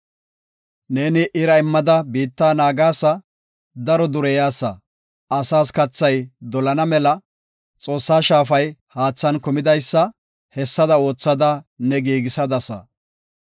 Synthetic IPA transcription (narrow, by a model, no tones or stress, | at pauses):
ne̞ːnɪʔɪɾɐɪmːɐd̪ɐbiːt̪ːaːnaːɡaːsːɐ | d̪ɐɾɔd̪ʊɾɛjaːsːɐ̰ | ɐsaːskɐt͡sːɐjd̪ɔlɐnɐmɛlɐ | t͡sʼo̞ːsːaːʃaːfɐjhaːt͡sːɐnkʊmɪd̪ɐjsːɐ | hɛsːɐd̪ɐo̞ːt͡sːɐd̪ɐnɛɡiːɡɪsɐd̪ɐsɐ̰